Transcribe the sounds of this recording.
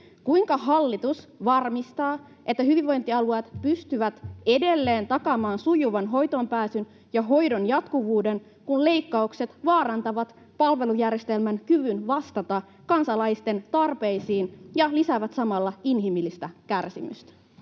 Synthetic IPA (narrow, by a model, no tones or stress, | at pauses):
kuiŋkɑɦɑlːit̪usʋɑrmist̪ɑː | ʔe̞t̪ːæɦyʋiʋʋo̞jnt̪iɑluɑt̪pyst̪yʋæt̪e̞de̞lːe̞ːnt̪ɑkɑmɑːnsujuʋɑnɦo̞jt̪ompæːsyn | jɑɦo̞jdo̞njɑt̪kuʋuːde̞n | kunle̞jkːɑukse̞t̪ʋɑːɾɑnt̪ɑʋɑt̪ | pɑlʋe̞lujærjest̪e̞lmænkyʋynʋɑst̪ɑt̪ɑ | kɑnsɑlɑjst̪e̞nt̪ɑrpe̞jsiːnjɑlisæʋæt̪sɑmɑlːɑinɦimilːist̪ækærsḭmy̰st̪æ̥